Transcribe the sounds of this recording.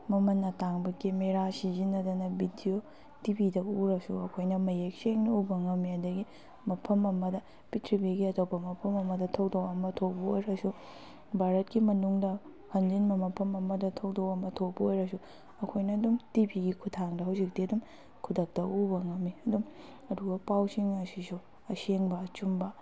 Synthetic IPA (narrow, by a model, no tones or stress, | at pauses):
mɐmɐnːɐtaŋbɐkemeɾasizinɐdɐnɐbidio | tibidɐuɾɐsuɐkʰojnɐmɐjek̚seŋniubɐŋɐmiɐdɐɡi | mɐpʰɐmɐmɐdɐ | pitʰɾibeɡiɐtowbɐmɐpʰɐmɐmɐdɐtʰɐwdokɐmɐtʰowbɐojɾɐsu | bʱaɾɐt̚kimɐnuŋdɐ | hɐnd͡ʒinmɐmɐpʰɐmɐmɐdɐtʰɐwdowɐmɐtʰobɐojɾɐsu | ɐkʰojnɐːdumtibiɡikʰutʰaŋdɐɦawzik̚diɐdum | kʰudɐk̚tɐʔubɐŋɐmːiɐdum | ɐduɡɐpawsiŋɐsisu | ɐseŋbɐːt͡ʃumbɐ